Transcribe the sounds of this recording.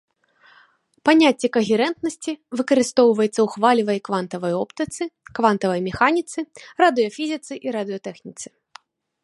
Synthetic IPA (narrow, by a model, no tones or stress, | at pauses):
panʲat͡sʲːɛkɐɣʲɛɾɛnt̪nɐsʲt͡sʲivɨkɐɾɨst̪ɔwvɐjɛt̪sːɐwxvalʲivɐjkvant̪ɐvɐjɔpt̪ɨt̪sɨkvant̪ɐvɐjmʲɛxanʲit̪sɨɾɐd̪ɨjɐfʲizʲit̪sɨʔiɾad̪ɨjɐt̪ɛxnʲit̪sɨ̥